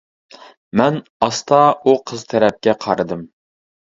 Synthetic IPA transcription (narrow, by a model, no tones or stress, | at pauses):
mɛnɑst̪ʰɑuqʰəzt̪ʰɛɾɛp̚kʲɛqʰɑɾɨd̪ɨm